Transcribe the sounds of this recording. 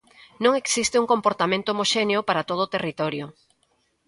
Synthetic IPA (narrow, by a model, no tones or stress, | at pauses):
nõŋeksist̪ɪuŋkompoɾt̪amẽnt̪oomoʃeneʊpaɾat̪oð̞oːt̪erit̪ɔɾjʊ